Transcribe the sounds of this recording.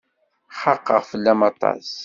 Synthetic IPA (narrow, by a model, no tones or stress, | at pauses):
χɑqːə̰ʁfəlːæmɑt̪ˤɑ̰s